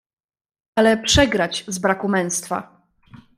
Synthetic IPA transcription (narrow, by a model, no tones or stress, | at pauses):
alɛpʂɛɡɾat͡ɕzbɾakumɛ̃ñst̪fa̰